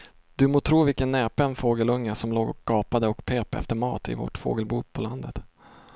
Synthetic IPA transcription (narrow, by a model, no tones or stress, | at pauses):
d̪̥ɵmoːt̪ʰɾuːvɪlkənːɛːpənfoːɡəlɵŋːəsɔmloːɡɔkɡ̥ɑːpad̪əɔkpʰeːpɛ̰ft̪əɾmɑ̰ːt̪ɪ̰vo̰ːʈfo̰ːɡəlbuːpʰɔland̪ət̪